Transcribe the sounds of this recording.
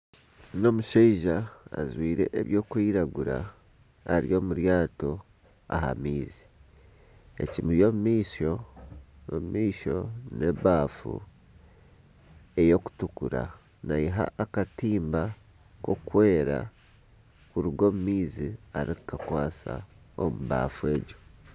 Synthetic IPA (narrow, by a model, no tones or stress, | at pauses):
no̞muʃeiʒa̰ːzwiːɾe̞̰ʔeβjo̞ːkwiːɾaɡuɾa̰ː | ɾio̞ːmuɾjaːto̞ | a̰ɦa̰miːzi̥ | e̞̰cimujo̞mumiːsonomumiːʃo̞ne̞βaːfṵ | e̞jo̞ku̥tukuɾa̰ | naiɦa̰ːkatiːmba | ko̞kwe̞ːɾa̰ | kuɾuɡo̞ːmumiːziaɾikkakwaːsa̰ | omuβa̰ːfue̞ːɟo̞